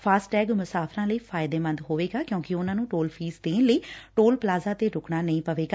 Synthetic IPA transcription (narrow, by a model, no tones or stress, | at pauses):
pʰaːsʈʈɛːɡmʊsaːpʰɾãːləiːpʰaːɪd̪eːmə̃nd̪ɦoːʋeːɡaːkjõːkɪʊnãːnũːʈoːlpʰiːsd̪eːnləiːʈoːlplaːzaːt̪eːɾʊkɽaːnəĩːpəʋeːɡaː